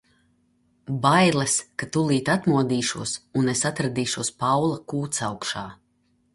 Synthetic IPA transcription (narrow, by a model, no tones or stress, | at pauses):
bajlˠaskat̪ulˠiːt̪at̪muɔd̪iːʃuɔsunesat̪ɾad̪iːʃuɔspawlˠɐkuːt̪sawkʃaː